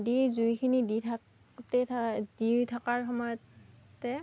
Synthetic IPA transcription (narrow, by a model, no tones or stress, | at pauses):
dizujkʰiniditʰa | tɛditʰakaɹxɔmɔjɔt | tːɛ